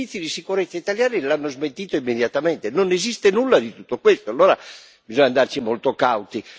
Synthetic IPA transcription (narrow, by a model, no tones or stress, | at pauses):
it̪sːid̪isikuɾet̪sːait̪aljaːnilanːozment̪iːt̪oimːed̪jat̪ament̪enonezist̪enulːad̪it̪u̥t̪ːokwest̪oalːoːɾa | bizɔɲːand̪art͡ʃimolt̪okawt̪i